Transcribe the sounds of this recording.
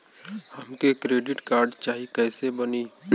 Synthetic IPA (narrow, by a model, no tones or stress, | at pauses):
hɐmkekɾeːɖɪʈkaːɾɖt͡ʃaːɦikɛːsebəniː